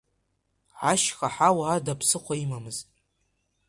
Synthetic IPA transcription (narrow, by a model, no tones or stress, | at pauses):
ʕaʃχaħawaadapʰsɨχʷaimamɨztʼ